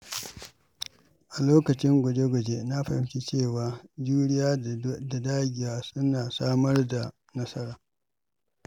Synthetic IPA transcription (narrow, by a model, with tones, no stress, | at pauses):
ʔa˨loː˦kɐ˨t͡ʃɪ˦ŋɡʷɔ˨de˦ɡʷɔ˨d͡ʒe˦na˦ɸa˨hɪ˦mt͡ʃi˦t͡ʃeː˦˨waː˨d͡ʒuː˦ɽɪ˦jaː˦da˨daː˦ɡʲɪ˨jaː˨sʊ˦naː˨saː˦mɐ˦rda˨ | nɐ˦sɐ˦ɾaː˨